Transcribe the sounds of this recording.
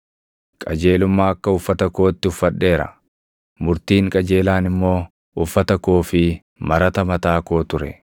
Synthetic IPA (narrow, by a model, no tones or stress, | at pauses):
kʼɐd͡ʒe̞ːlʊmːaːɐkːɐʊfːɐt̪ɐko̞ːt̪ːɪʊfːɐᶑːe̞ːɾɐ̰ | mʊɾt̪iːŋkʼɐd͡ʒeːlaːnɪmːo̞ː | ʊfːɐt̪ɐkoːfɪ | mɐɾɐt̪ɐmɐt̪aːko̞ːt̪ʊɾɛ̰